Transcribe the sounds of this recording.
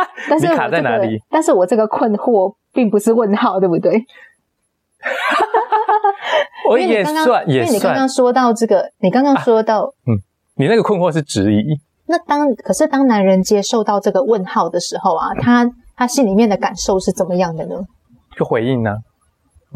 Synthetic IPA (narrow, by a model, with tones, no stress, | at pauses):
t̪a˥˧niɻ̩˥˩wʰa˨t͡sa˥˩˥na˧˥li˨˩t̪a˥˧nʂɻ̩˥˩wɔ˨˩ʈ͡ʂɤ˥˩ɡə˩kʰwə˥˧nxwɔ˥˧ | pi˥˩ŋpu˧˩ʂɻ̩˥˧wə˥˧nxɑ˥˧ʊt̪we˥˩bu˨˩t̪we˥˩ɪ | wɔ˧˦˥jɛ˨˩˧ŋkɑ˥˨jɛ˨˥˨ni˨˩kɑ̃˥kɑ˥ŋʂwɔ˥t̪ɑ˥˧ʊʈ͡ʂɤ˥˩ɡə˩ni˨˩kɑ˥ŋkɑ˥ŋʂwɔ˥t̪ɑ˥˩ʊn̩˥˩ | ni˨˩na˥˩ɡə˩kʰə˥˧nxwɔ˥˧ʂɻ̩˥˩ʈ͡ʂɻ̩˧˥i˧˥ | na˥˩t̪ɑ˥ŋkʰɤ˨˩ʂɻ̩˥˩t̪ɑ˥ŋna˧˥nɻə˧˥nt͡ɕjɛ˥ʂo˥˧ʊt̪ɑ˥˧ʊʈ͡ʂɤ˥˩ɡə˩wə˥˧nxɑ˥˩ʊd̪ə˩ʂɻ̩˧˥xo˥˧ʊɐ̰˨˩t̪ʰa˥t̪ʰa˥ɕi˥nli˨˩mjɛ˥˩nd̪ə˩ka˨˩nʂo˥˧ʊʂɻ̩˥˩ʈ͡ʂə˨˩nmə˩˦jɑ˥˩ŋd̪ə˩nə˩˦ | t͡ɕo˥˩xwe˧˥ɪi˥˩ŋnɐ˩